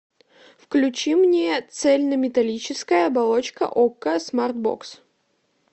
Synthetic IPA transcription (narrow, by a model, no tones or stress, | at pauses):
fklʲʉt͡ɕimnʲet̪sɛlʲnəmʲɪt̪ɐlʲit͡ɕɪskəjəɐbɐlˠot͡ɕkə̰ʔokːəsmart̪̚bo̰ks